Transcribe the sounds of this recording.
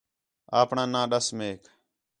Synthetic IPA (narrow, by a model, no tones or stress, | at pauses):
aːpɳãːnãːɗəsmeːk